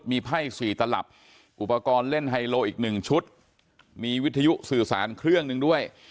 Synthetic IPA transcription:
t̪̚miː˧pʰa˥˩jsiː˨˩t̪a˧la̰˨˩p̚ | ʔu˨˩pa˧kɔː˧nle˥˩nɦa˧jloː˧ʔiː˨˩k̚nɯ˨˩ŋt͡ɕʰu˦˥t̪̚ | miː˧wi˦˥t̪ʰːa˧ju˦˥sɯː˨˩saː˩˦nkʰɾɯ˥˩əŋnɯ˧ŋdu˥˩əj

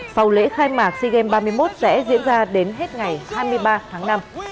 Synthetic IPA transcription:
fa˨˩wlḛ˧˥xaː˧jmaː˨˩k̚si˧ɣɛ˧mɓaː˧mɨ˧əjmo˦˥t̚sɛ̰˧˥zḭ˧˥ənzaː˧ɗe˨˦nɦe˦˥t̚ŋa˨˩jhaː˧jmɨ˧əjɓaː˧t̪ʰaː˨˦ŋna˧m

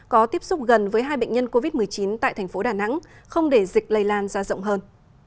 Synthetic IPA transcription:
kɔ˨˦t̪i˦˥əp̚sʊ˦˥k͡p̚ɣə˨˩nvəː˨˦jɦaː˧jɓə̰˧˨ŋ̟ɲə˧nko˧vi˦˥t̚mɨ˨˩əjt͡ɕi˨˦nt̪a̰ː˧˨jt̪ʰɛ˨˩ŋ̟fo˨˦ɗaː˧˨˩na̰˧˥ŋxə˧wŋ͡mɗe˧˩zi˨˩k̟̚lə˧jlaː˧nzaː˧zə̰˧˨wŋ͡mɦəː˧n

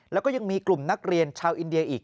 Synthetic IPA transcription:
lɛː˦˥wkɔ˥˩ja˧ŋmiː˧klu˨˩mna˦˥k̚ɾi˧ənt͡ɕʰaː˧wʔi˧ndi˧ɐʔiː˨˩k̚

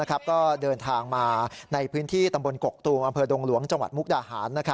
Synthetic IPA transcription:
a˦˥kʰɾa˦˥p̚kɔː˥˩dɤː˧nt̪ʰaː˧ŋmaː˧na˧jpʰɯː˦˥nt̪ʰiː˥˩t̪a˧mbo˧nko˨˩k̚t̪uː˧mʔa˧mpʰɤː˧do˧ŋlu˩˦əŋt͡ɕa˧ŋwa̰˨˩mu˦˥k̚daː˧haː˩˦nːa˦˥kʰ

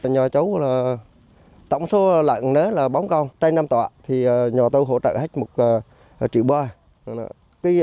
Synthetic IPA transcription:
ɲɔ˨˩t͡ɕə˨˦wlaː˨˩ | t̪ə̰˧˨wŋ͡mso˨˦la̰˧˨ŋne˨˦laː˨˩ɓa˨˦wŋ͡mkə˧wŋ͡mt͡ɕa˧jna˧mt̪wa̰ː˧˨t̪ʰi˨˩ə˨˩ɲɔ˨˩t̪o˧jɦo̰˧˥t͡ɕə̰ː˧˨ha˦˥j̟̚mo˨˩t̚əː˨˩˨ | t͡ɕḭ˧˨əwɓwaː˧˨ | nɔ̰˧˨˦ | kaː˨˦

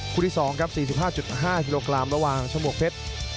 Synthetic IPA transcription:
kʰuː˧nʰi˦˥˩sɔː˩˦ŋkʰa˦˥p̚siː˨˩i˨˩p̚ɦaː˥˩t͡ɕu˨˩t̪̚ɦaː˥˩kiː˧loː˧kɾa˧mɾa˧waː˨˩ŋt͡ɕʰa˧mu˨˩ək̚pʰe˦˥t̪̚

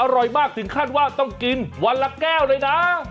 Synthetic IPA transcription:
ʔa˧ɾɔ˨˩jmaː˥˩k̚t̪ʰɯ˩˦ŋkʰaː˥˩n̚waː˥˩t̪ɔ˥˩ŋki˧nwa˧nla˧˥kɛː˥˩wlaː˧˥jna˦˥

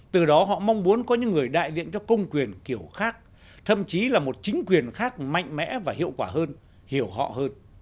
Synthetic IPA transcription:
t̪ɨ˨˩ɗɔ˨˦ɦɔ̰˧˨ma˧wŋ͡mmu˨˦ənkɔ˨˦ɲɨ̰˧˥ŋːɨ˨˩əjɗa̰ː˧˨jzḭ˧˨ənt͡ɕɔ˧kə˧wŋ͡mkwi˨˩ənki˧˩əwxaː˦˥k̚ | t̪ʰə̰˧˨mt͡ɕi˨˦laː˨˩mo˨˩t̚t͡ɕi˨˦ŋ̟kwi˨˩ənxaː˦˥k̚ma̰˧˨jŋ̟mɛ̰˧˥vaː˨˩hḭ˧˨əwkwaː˧˩ɦəː˧n | hi˧˩əwɦɔ̰˧˨həː˧n

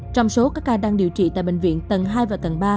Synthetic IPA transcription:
t͡ɕɔ˧wŋ͡mso˨˦kaː˦˥kːaː˧ɗaː˧ŋɗi˨əwt͡ɕḭ˧˨t̪a̰ː˧˨jɓḛ˧˨ŋ̟vḭ˧˨ənt̪ə˨˩nɦaː˧jvaː˨˩t̪ə˨˩nɓaː˧

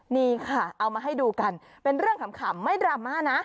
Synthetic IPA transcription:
niː˥˩kʰa˥˩ʔa˧wmaː˧ɦa˥˩jduː˧ka˧n | pe˧nɾɯ˥˩əŋkʰa˦mkʰaː˩˦mːa˥˩jdɾaː˧mːaː˥˩na˦˥ʔ

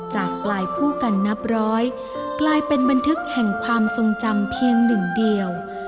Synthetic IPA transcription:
t͡ɕaː˨˩k̚plaː˧jpʰuː˥˩ka˧nːa˦˥p̚ɾɔː˦˥j | klaː˧jpe˧nba˧nt̪ʰɯ˦˥k̚hɛ˨˩ŋkʰwaː˧mso˧ŋt͡ɕa˧mpʰi˧əŋnɯ˨˩ŋdi˧əw

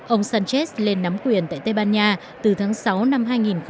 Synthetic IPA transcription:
ʔə˧wŋ͡msaː˧nt͡ɕe˦˥sle˧nːa˨˦mkwi˨˩ənt̪a̰ː˧˨jt̪ə˧jɓaː˧nɲaː˧ | t̪ɨ˨˩t̪ʰaː˨˦ŋsa˨˦wna˧mɦaː˧jŋi˨˩nx

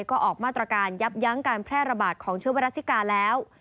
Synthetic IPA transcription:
jkɔː˥˩ʔɔː˨˩k̚maː˥˩t̪ɾa˧kaː˧nja˦˥p̚ja˦˥ŋkaː˧npʰɾɛː˥˩ɾa˧baː˨˩t̪̚kʰɔː˩˦ŋt͡ɕʰɯ˦˥ba˧ɾa˦˥si˦˥kaː˧lɛː˦˥w

